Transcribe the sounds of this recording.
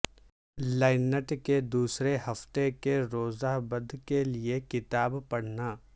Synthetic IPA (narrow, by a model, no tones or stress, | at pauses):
laːɪnəʈked̪uːsɾeɦɐft̪ekeɾoːzaɦbɐd̪ʱkeliekɪt̪aːbpɐɽ̤naː